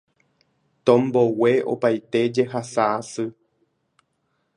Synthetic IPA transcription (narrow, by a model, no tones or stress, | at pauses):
t̪õmboweo̰pajt̪e̞d͡ʒe̞ɦasaasɨ